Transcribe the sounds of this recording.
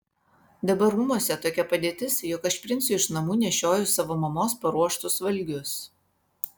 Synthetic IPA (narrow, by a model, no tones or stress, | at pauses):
d̪ɐbɐɾuːmuɔsʲɛt̪oːkʲɛpɐd̪ʲeːt̪ʲɪsjɔkɐʃpʲɾʲɪnʲsʲʊɪʃnɐmuːnʲɛʃʲoːjʊsɐʋoːmɐmoːspɐɾuɔʃt̪ʊsʋɐlʲˑɡʲʊs